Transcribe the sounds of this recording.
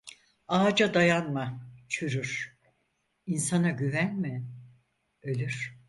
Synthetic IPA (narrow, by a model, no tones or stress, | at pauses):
aːd͡ʒad̪ajanmat͡ʃʰyɾyɾ̥ | insanaɟyvænmɪ | ølʲyɾ̥